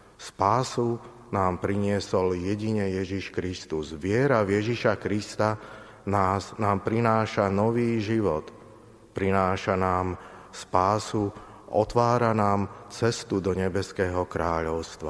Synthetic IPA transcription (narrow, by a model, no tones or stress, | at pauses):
spaːsu | naːmpɾiɲɪɛsɔljɛɟiɲɛjɛʒiʃkɾist̪uzʋɪɛɾavjɛʒiʃakɾist̪a | naːznaːmpɾinaːʃanɔʋiːʒiʋɔt̪ | pɾinaːʃanaːmspaːsu | ʔɔ̰t̪ʋaːɾanaːmt͡sɛst̪ud̪ɔɲɛbɛskɛːɦɔkɾaːʎɔʊst̪ʋa̰